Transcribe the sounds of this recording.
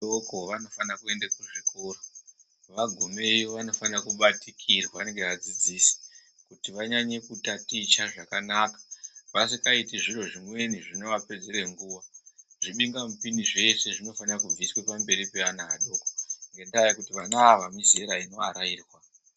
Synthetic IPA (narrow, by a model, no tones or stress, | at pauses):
okoʋano̞fanakue̞ndakuʐiko̞ːɾo | ʋaɡʱumeioʋano̞fanakuɓatikʰirwaneŋɡeʋad͡zid͡ziːsi̥ | kutiʋaɲaɲe̞kutatit͡ʃaʐakanakḁʋasikaitiʐiro̞ʐimwe̞niʐino̞ʋape̞d͡ze̞ɾe̞ŋɡuːʋaʐiɓiŋɡamupiniʐe̞se̞ʐino̞fanirakub͡viswepambe̞ɾipe̞anaɗo̞koŋɡe̞ndajakutiʋanaːʋamizeɾaino̞aɾaiːrwa